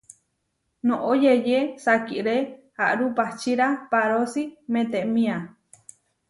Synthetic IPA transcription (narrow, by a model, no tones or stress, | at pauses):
nõʔojejesakiʔɾehaʔɾupaht͡ʃiɾapaɾosimẽt̪eʔmĩa